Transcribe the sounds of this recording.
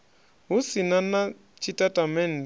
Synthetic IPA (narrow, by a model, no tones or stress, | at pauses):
ɦusinana | t͡ʃʰitʼatʼamɛn̩d